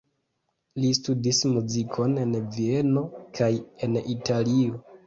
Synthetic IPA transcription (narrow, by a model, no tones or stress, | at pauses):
listudismuzikʰo̞ne̞nvie̞no̞kʰaje̞nitʰalio̞